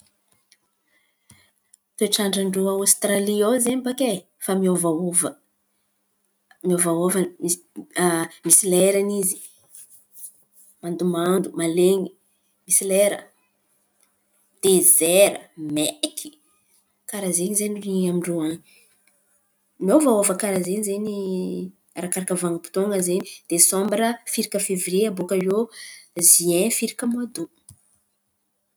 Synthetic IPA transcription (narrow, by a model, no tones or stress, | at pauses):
t̪eʈ͡ʂaɳɖ͡ʐaɳɖ͡ʐuawst̪raliozeɲibake | famiovaovə | miovaova | misilɛɾanizi̥ | mand̪umand̪umaleɲi | misileɾə̰ | d̪̥ezeɾə̰mekʰi̥ | kaɾazeɲizeniramiɳɖ͡ʐoaɲi | movaovakaɾazeɲizeni | aɾakaɾakəvaŋəpi̥t̪oŋəzenid̪̥esɔ̃mbɾəfiɾikəfevreabokajoziɛ̃fiɾikəmad̪u